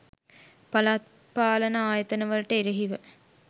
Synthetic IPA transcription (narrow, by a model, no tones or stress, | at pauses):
pɐlat̪̚ | paːlənəaːjət̪ənəʋələʈəeɾeɦiʋə